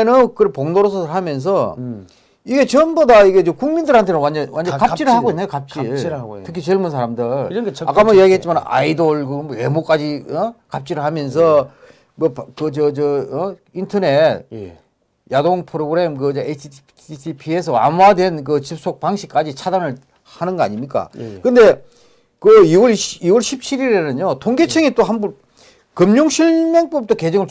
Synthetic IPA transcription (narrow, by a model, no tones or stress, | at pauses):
enɯnkɯɾʌpoŋnoɾosʰʌsʰɾɦamjʌns̬ʰʌ | iɡe̞t͡ɕʌnbʌdaiɡe̞t͡ɕʌkuŋmindɯɾhantʰenɯnwand͡ʑʌnwand͡ʑʌkapt͡ɕ͈iɾɯɭhaɡɡoinːejokap̚t͡ɕ͈itʰɯkʰit͡ɕeɭmunsʰaɾamdɯɭa̰k͈amʌijaɡiɦet̚t͡ɕimanna̰idoɭɡɯmoemok͈ad͡ʑiʌkap̚t͡ɕ͈iɾɯɭhamjʌns̬ʰʌ | mʌpkɯt͡ɕʌt͡ɕʌʌintʰʌne̞t̚ | jadoŋpʰɯɾoɡɯɾe̞mkɯd͡ʑʌesʰ | itʰipʰiesʰʌwa̰mwadwe̞nk̬ɯt͡ɕip̚s͈ok̚paŋɕʰik͈ad͡ʑit͡ɕʰadanɯɭ | hanɯnɡʌa̰ɲimɲik͈a̰kɯnde̞ | kɯiwʌɭiwʌɭɕʰip̚t͡ɕʰiɾiɾeɾnɯɲotʰoŋɡe̞t͡ɕʰeŋit͈oɦambu | kɯmɲoŋɕʰiɭme̞ŋp͈ʌp̚t͈oke̞d͡ʑʌŋɯɭ